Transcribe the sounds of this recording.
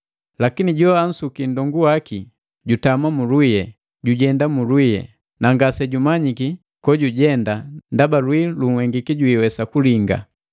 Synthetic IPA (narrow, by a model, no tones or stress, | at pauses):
lakiniɟɔan̩sukindɔŋɡuwaki | ɟutamwamulwijɛ | ɟuɟɛndamulwijɛ̰ | naŋɡasɛɟumaɲiki | kɔɟuɟɛndandabalwiluŋ̩wɛŋɡikiɟuiwɛsakuliŋɡa̰